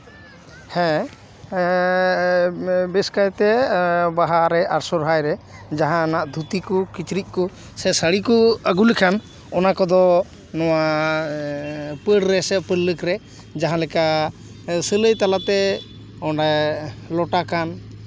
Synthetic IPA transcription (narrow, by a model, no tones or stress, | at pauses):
hɛ̃ | bɛskajt̪ɛbaɦaɾɛaɾsɔɾɦajɾɛd͡ʒaɦãnaʔd̪ʱut̪ikɔkit͡ʃɾiʔ̚ˀkɔ | sɛsəɽikɔəɡulikʰam | ɔnakɔd̪ɔ | nɔwa | pəɽɾɛsɛpəlːəkɾɛ | d͡ʒaɦãlɛka | sələjt̪alat̪ɛ | ɔnalɔʈakan